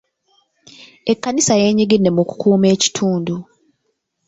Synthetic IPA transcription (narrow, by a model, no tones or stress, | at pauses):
e̞kːanisaje̞ːɲiɡidːe̞muku̥kʰuːme̞ːci̥tʰuːndu